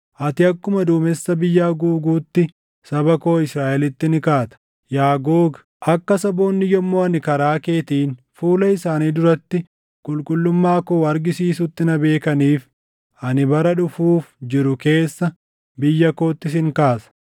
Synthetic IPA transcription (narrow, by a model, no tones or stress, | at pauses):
ʔɐt̪ɪɐkːʊmɐd̪uːmɛsːɐbɪjːaːɡuːɡuːt̪ːɪ | sɐbɐko̞ːɪsɾaːʔɛlɪt̪ːɪnɪkaːt̪ɐ̥ | jaːɡoːɡ | ʔɐkːɐsɐbo̞ːnːɪjɔmːoːɐnɪkɐɾaːke̞ːt̪iːn | fuːlɐɪsaːniːd̪ʊɾɐt̪ːɪ | kʼʊlkʼʊlːʊmːaːkoːɐɾɡɪsiːsʊt̪ːɪnɐbe̞ːkɐniːf | ɐnɪbɐɾɐᶑʊfuːfd͡ʒɪɾʊke̞ːsːɐ | bɪjːɐko̞ːt̪ːɪs̬ɪŋkaːsɐ̥